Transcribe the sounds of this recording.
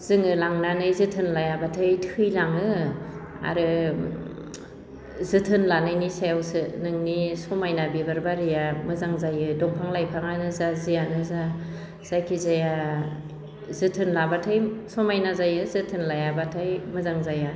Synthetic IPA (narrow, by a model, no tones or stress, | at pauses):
z̥ɯŋɯlaŋnanɯjzɯtʰɯnlajabatʰɯjtʰɯjlaŋɯ | a̰ɾɯ | zɯtʰɯnlanajnisajawsɯnɯŋnisɔmajnabibaɾbaɾijamɯzaŋzajɯdɔŋpʰaŋlajpʰaŋanɯzazijanɯza | z̥ajkʰizaja | zɯtʰɯnlabatʰajsɔmajnazajɯzɯtʰɯnlajabatʰajmɯzaŋzaja